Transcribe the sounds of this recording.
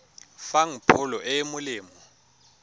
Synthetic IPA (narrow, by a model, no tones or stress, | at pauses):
faŋ̩pʰʊlɔʔɛmʊlɪːmɔ